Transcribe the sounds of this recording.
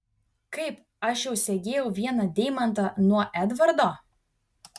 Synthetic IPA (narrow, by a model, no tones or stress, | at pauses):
kɐɪp | ɐʃjɛʊsʲɛɡʲeːjɛʊʋʲiɛnɐd̪ʲɛɪmɐnt̪ɐnuɔʔæd̪ʋɐɾd̪oː